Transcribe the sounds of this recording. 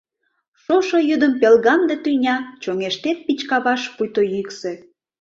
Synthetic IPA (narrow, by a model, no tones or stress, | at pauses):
ʃoʃojyd̪əmpelɣɑmd̪et̪ynʲɑt͡ɕoŋeʃt̪et̪̚pit͡ɕkɑβɑʃpujt̪ojykse